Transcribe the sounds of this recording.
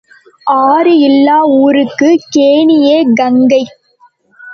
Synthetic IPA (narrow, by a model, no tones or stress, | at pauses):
ʔaːɾɯɪlːaːuːɾɯkːɯkeːnɪjeːɡɐŋɡɐɪ